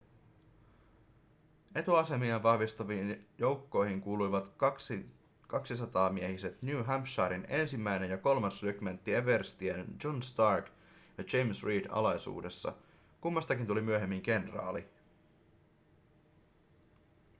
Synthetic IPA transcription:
e̞t̪uɑse̞miɑʋɑhʋist̪ɑʋiːnjo̞wkːo̞jɦiŋkuːlujʋɑt̪s | kɑksisɑt̪ɑːmiehise̞t̪njuːɦæmpʃɑːɾine̞nsimːæjne̞njɑko̞lmɑnslykmænt̪ːieʋerst̪iennd͡ʒo̞nst̪ɑrk | jɑd͡ʒejmsɹiːdɑ̰lɑjsṵːde̞sːɑ̰ | kumːɑst̪ɑkint̪ulimyøɦe̞mːiŋɡe̞nrɑ̰ːli

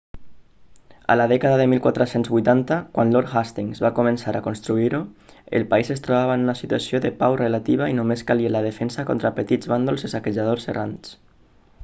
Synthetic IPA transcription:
a̰laðɛkaðaðəmilˠkwat̪ɾəsenzβujt̪ant̪akwanloɾxast̪iŋzβakumənsaɾʔakonst̪ɾuiɾuə̰lˠpaizest̪ɾoβaβanunasit̪uasioðəpawrelat̪iβ̞ainomeskalialað̞əfɛnsakɔ̰nt̪ɾapət̪id͡zβand̪olˠzesakəʒað̞orserʔans

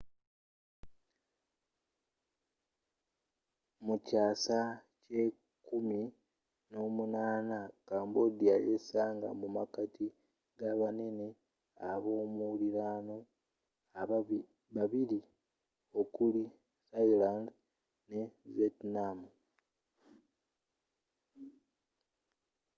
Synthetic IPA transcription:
mucaːsace̞ | kumi | no̞ːmunaːnakaːmbod̪iajesaːŋɡa̰mumakati | ɡaβane̞ne̞ | aβo̞ːmuliɾaːno̞ | βaβili | o̞kuli | sailand | ne̞vetnamu

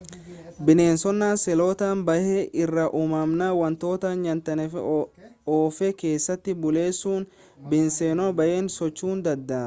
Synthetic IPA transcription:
bɪneːnsɔnːaːnsɛloːt̪aːnbɐʔeʔɪrːɐʔumɐmnaːwɐnt̪o̞ːt̪anjɐnt̪ɐnɛfɛ̰ | oːfɛke̞ːsːɐt̪ːɪbʊle̞ːsːuːn | bɪnsenɔbɐʔe̞ːnsɔt͡ʃːuːnd̪ɐd̪ːɐː

